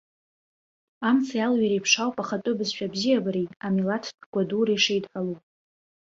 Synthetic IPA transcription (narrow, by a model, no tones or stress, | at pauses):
amt͡sʰajalɥiɾejpʰʂawpʼaχatʼʊbɨzʃᶣabzijabaɾiamilatʰɡʷaduɾajʂejdħalu